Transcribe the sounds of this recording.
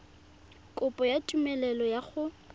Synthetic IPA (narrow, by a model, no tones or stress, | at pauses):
kʼʊpʼɔjatʼumɛlɛlɔjaχʊ